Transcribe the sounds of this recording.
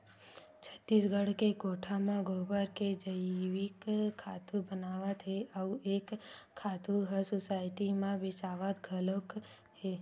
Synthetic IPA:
t͡ʃʰət̪ːisɡʱəɽkekoʈʰamãɡʱobəɾked͡ʒəiʋikʰːat̪ʰubənaʋat̪ɦeʔauekʰːat̪uɦəsosaɪʈimãbet͡ʃaʋat̪ɡʱəlok | ɦe

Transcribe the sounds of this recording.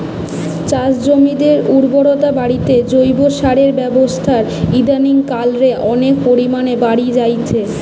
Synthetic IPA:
t͡ɕad͡ʑd͡ʑomid̪eɾuɾboɽot̪abaɽit̪ed͡ʑojboʃaɽeɾbɛbost̪ʰaɾid̪aniŋkalɾeʔɔnek̚poɾimanebaɽid͡ʑajt͡ɕʰe

